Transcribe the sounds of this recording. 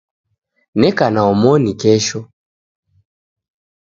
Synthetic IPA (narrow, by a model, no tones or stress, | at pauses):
nɛkanaɔmɔnikɛʃɔ